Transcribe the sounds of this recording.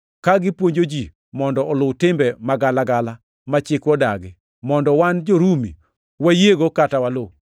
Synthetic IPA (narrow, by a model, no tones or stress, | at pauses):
kaɡɪpwoɲd͡ʒod͡ʒi | mɔndɔʔɔlʊwtɪmbɛmaɡalaɡala | mat͡ʃɪkwɔdaɡɪ | mɔndɔwand͡ʒoɾumḭ | wajeɡokatawalo